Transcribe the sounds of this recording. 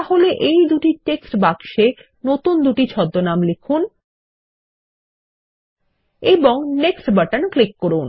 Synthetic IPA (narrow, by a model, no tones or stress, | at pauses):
t̪aɦoleʔejd̪uʈiʈeksʈbakʃe | not̪und̪uʈit͡ɕʰɔd̪ːonamlekʰun | eboŋneksʈbaʈanklikːoɾun